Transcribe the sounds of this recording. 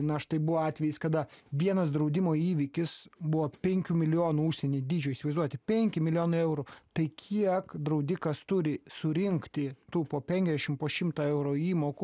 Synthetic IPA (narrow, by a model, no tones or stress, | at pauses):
nɐɐʃt̪ɐɪbʊʋoːɑːt̪ʲʋʲɛjiskɐd̪ɐʋʲiɛnɐsd̪ɾɐʊd̪ʲɪmoːiːʋʲikʲɪsbʊʋoːpʲɛŋʲkʲuːmʲɪlʲɪjoːnuʊʃʲsʲɛnʲeːd̪ʲiːd͡ʒʲoːjiʃsʲɪʋɐɪzduɔt̪ʲɪpʲɛŋʲkʲɪmʲɪlʲɪoːnɐɪɛʊɾʊt̪ɐɪkʲʰiɛkd̪ɾɐʊd̪ʲɪkɐst̪ʊɾʲɪsʊɾʲɪŋkt̪ʲɪt̪uːpoːpʲɛŋʲkʲɛzd̪ʲɛʃʲɪmpoːʃʲɪmt̪ɐɛʊɾoːiːmoːkʊ